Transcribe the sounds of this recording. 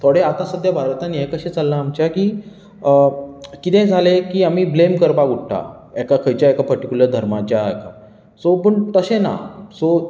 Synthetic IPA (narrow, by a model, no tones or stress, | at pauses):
t̪ʰoɽeat̪ãsəd̪ʱjabʱaɾt̪anːiekəɕẽt͡salːaːmt͡ɕjakiː | kit̪ẽd͡zʱalekiːamiːblemkəɾpaɡʱuʈʈa̰ | ɛkakʰəjt͡ɕjaekapəɾʈikʲuləɾd̪ʱəɾmat͡ɕjaɛ̰ka | sopəɳt̪əɕena̰so